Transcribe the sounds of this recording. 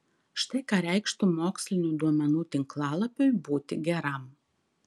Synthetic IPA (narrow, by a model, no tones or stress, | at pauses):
ʃt̪ɐɪkɐɾʲɛɪkʃt̪ʊmoːksʲlʲɪnʲuːd̪uɔmʲɛnuːt̪ʲɪŋklˠɑːlˠɐpʲojbuːt̪ʲɪɡʲɛɾɐm